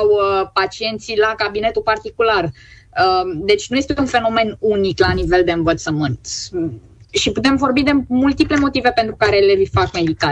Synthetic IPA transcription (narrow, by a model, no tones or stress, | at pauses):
wəpat͡ʃie̞nt̪silakabine̞t̪upart̪ikular | əd̪e̞t͡ʃʲnuje̞st̪eunfe̞no̞me̞nuniklanive̞ld̪e̞ɨnvət̪səmɨnt̪ | ʃiput̪e̞mvo̞rbid̪e̞mult̪iple̞mo̞t̪ive̞pe̞nt̪ɾukaɾe̞le̞vifakme̞d̪ik̪a